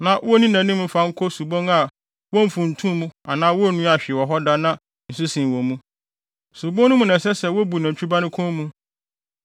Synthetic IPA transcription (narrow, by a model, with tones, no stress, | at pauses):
nã˨˦ɔ˦nĩ˦nã˨nĩ˦mũ˦fa˦ŋ̩˦kʰo˦su˨bɔ̃˦ŋa˨ | wɔ˦m̩˨fũ˨n̩˨tʰũ˦mũ˦a˨nãː˦wɔ˦˨nũ˦a˨ɕᶣɪ˨ɛ˨wɔ˨ɦɔ˦da˦nã˦ | n̩˨s̬u˦sĩ˨wɔ̃˨mũ˦ | su˨bõ˦nʊ̃˦mũ˨nɛ̃˨sɛ˦sɛ˦wo˦bu˨nã˨t͡ɕʰᶣu˦ba˦nʊ̃˦kʰɔ̃˦mũ˦